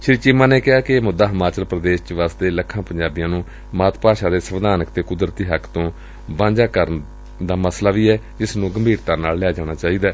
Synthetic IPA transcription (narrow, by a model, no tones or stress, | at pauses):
ʃɾit͡ʃɪmãːneːkɪɦaːkɪmʊd̪aːɦəmaːt͡ʃəlpɾəd̪eːʃt͡ʃʋaːst̪eːləkʰːãːpəɲd͡ʒaːbijãːnũː | maːt̪paːʃaːd̪eːsəʋd̪aːnəkt̪eːkʊd̪ɾət̪iːɦəkʰt̪õː | ʋãːɲd͡ʒaːkəɾən | d̪aːməslaːʋiːɛːd͡ʒɪsnũːɡəmbʱiːɾt̪ãːnaːlːɛːd͡ʒaːɽ̃aːt͡ʃaːiːd̪aː